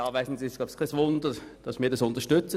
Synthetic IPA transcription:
ɑːvaɪn̩sisɡ̥ɑːpskʰasvʊndəd̥ɑsmiːɐdɑsʊnt̪əʃtʏt͡sə

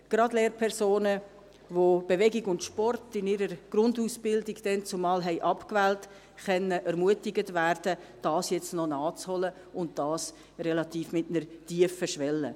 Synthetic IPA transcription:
ɡ̥ɾɑdleːɾpʰɛɾsoːnə | vob̥eʋɛɡɪɡʊntʃpɔrtɪnɪːɾəɾɡ̥ɾʊndusb̥ɪldɪɡd̥ɛnt͡sʊmɑːlɦɛɪʔɑpkvɛːlt | χɛnəʔɛɾmuətɪɡətvæːrd̥əd̥ɑːsjɛt͡stnɔnɑːt͡shɔlə | ʊnt̚d̥ɑːs | rɛlɑtiːfmɪtnəɾtiəfəʃʋɛlːə

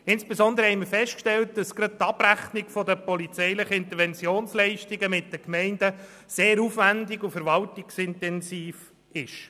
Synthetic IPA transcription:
ɪnsb̥esɔnd̪əɾəhɛɪməfɛstkʃtɛlt̚d̥ɑsɡɾɑd̚t̪ɑb̥ɾæχnɪɡfɔdəpɔlit͡sɛɪlɪχəɪnt̪əɾʋɛnt͡sjoːnslɛɪʃtɪɡəmɪt̚d̥əkmɛɪndə | seːɾufʋændɪɡufəɾʋɑltɪksɪntɛnsiːf | ɪʃ

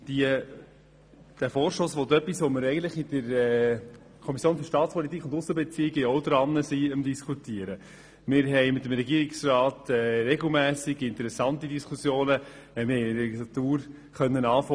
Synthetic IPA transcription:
d̥iə | d̥æfɔːɾʃosʋot̪œpːisʋoməɾɛɪɡən̩t̪ləχidəɾɛ | kʰɔmisjoːnfyɾʃtɑːtt͡spɔlitikʰχʊndʊsːəbɛt͡siɪɡɛɔʊd̪ɾɑnːəsiəmdiskʰutiəɾə | mɪɾɦɛɪmɪt̪ːəmɾɛɡiːəɾɪksɾɑːt̪ɛɾɛɡl̩ˠmæːsɪɡɪnt̪əɾɛsɑntidiskʰusjoːnə | mɪhɛɪlɛɡislɑt̪uːɾ | χœnːənɑːfɔ

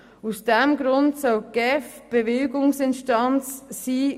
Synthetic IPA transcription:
usd̥ɛmɡɾʊndsœwɡ̥ɛfb̥eveːɡʊŋsɪnʃtɑnt͡sːiː

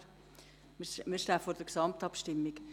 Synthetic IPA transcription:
mɪʃtafoːɾd̥əksɑm̚tɑpʃtɪmːɪk

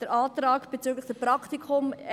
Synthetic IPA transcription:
d̥əɾʔɑːtɾɑːkb̥ɛt͡syːɡləχd̥əpɾɑkt̪ikʰʊm

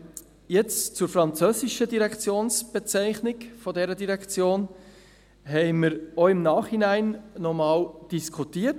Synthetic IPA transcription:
jɛt͡st͡sʊɾfɾɑnt͡søːsɪʃədiɾɛkt͡sjoːnsb̥et͡sæɪχnɪɡfɔdɛɾədiɾɛkt͡sjoːn | ɦɛɪməɾoɪmnɑːχhinæɪnːɔmɑːld̥iskʰutiːət

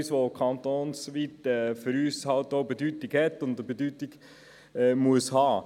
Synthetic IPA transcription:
sʋokʰɑnt̪oːnsʋitɛfʏɾyːshɑltoʊbedytɪɡhɛtːʊndəbedytɪɡ | ɛːmuəshɑː

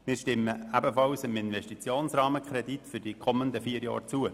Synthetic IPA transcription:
mɪːɾʃtɪmːəæbəfɑlsəmɪnʋɛʃtit͡sjoːnsrɑːməkʰɾɛd̪itfʏdikʰɔmːənd̪əfiːəɾjɑ̰ːɾt͡suə

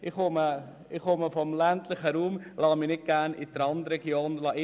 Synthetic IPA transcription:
ɪχʊmə | ɪχoməfɔmlænt̪lɪχəɾuːmlɑːminɪt̚ɡ̥æɾnɪ̰d̪əɾɑnd̪əɾɛɡjoːnlɑːʔɪ

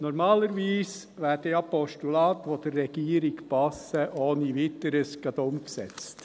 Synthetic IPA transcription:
nɔɾmɑːləɾʋiːs | ʋæːɾdeɑpɔʃtulɑːt̪ʋod̥̪ərːɛɡ̥iːɾɪkpɑsəʔoːniʋɪt̪əɾəsɡ̥ɑd̪ʊmksɛ̰t͡st

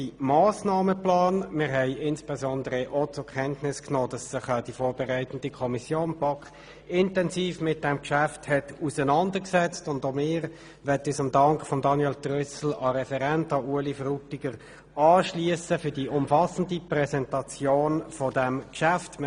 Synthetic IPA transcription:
imɑːsnɑːməplɑːnmɪːʁɦɛɪʔɪnspɛzɔndəʁəʔotʊkʰɛntnɪsknoːd̥ɑssəχɑd̥ifoːɾbɛʁæɪtən̩d̥ikʰɔmisjoːnpɑkχ | ɪntɛnsiːfmɪt̚d̥ɛmkʃæfthɛtusənɑndəksɛt͡stʊndomɪːʁ | ʋɛtisʊmdɑŋkχfɔmdɑnjɛltʁʏsl̩ɑɾɛfɛʁɛntɑuəlifrutiɡ̥əʁ | ɑːʃliəsəfʏd̥iʔʊmfɑsən̩diprɛsɛntɑt͡sjoːnfɔdɛmkʃæftm

